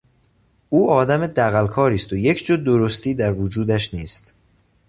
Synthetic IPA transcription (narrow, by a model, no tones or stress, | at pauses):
ʔuːɒːd̪æmed̪æɣælkʰɒːɾiːst̪ʰojecʰd͡ʒod̪oɾost̪ʰiːd̪æɾvod͡ʒuːd̪æʃniːst̪